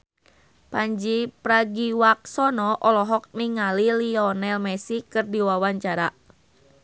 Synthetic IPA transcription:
paɲd͡ʒipɾaɡiwak̚sɔnɔʔɔlɔɦɔk̚niŋaliliɔnɛlmɛsikɨrdiwawaɲt͡ʃaɾa

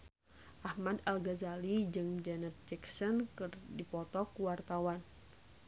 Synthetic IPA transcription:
ʔahmadalɡazalid͡ʒɨŋd͡ʒɛnət̪̚d͡ʒɛksɔnkɨrdipɔt̪ɔkuwart̪awan

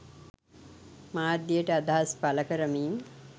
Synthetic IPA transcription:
maːd̪ijəʈəad̪aɦaspaləkəɾəmiːŋ

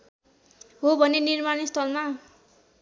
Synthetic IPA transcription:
ɦobʱʌnenirmanist̪ʰʌlma

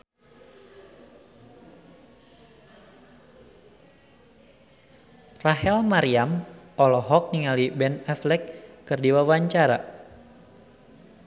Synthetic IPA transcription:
raɦɛlmaɾiamɔlɔɦɔk̚niŋalibɛnɛflɛkːɨrdiwawaɲt͡ʃaɾa̰

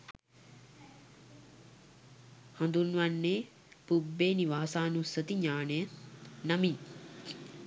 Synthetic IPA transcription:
hɐnd̪unʋanːeː | pubːeːniʋaːsaːnusət̪iɲaːnəjənamin

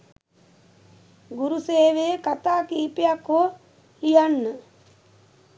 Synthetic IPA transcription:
ɡuɾuseːʋekat̪aːkiːpijakoː | lijanːə

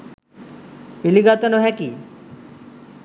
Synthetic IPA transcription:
piliɡat̪ɔnoɦɛki

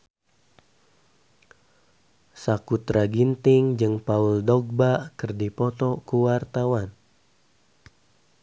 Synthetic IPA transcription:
sakut̪ɾaɡint̪ɪŋd͡ʒɨŋpauldɔɡ̚bakɨrdipɔt̪ɔkuwart̪awan

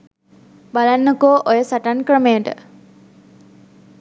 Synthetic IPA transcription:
balanːəkoːʔojəsaʈankrəmejəʈə̰

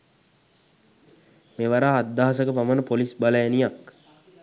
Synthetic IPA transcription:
meːʋaɾaːd̪ːaːas̬əkəpamənəpolisbaləjanijak

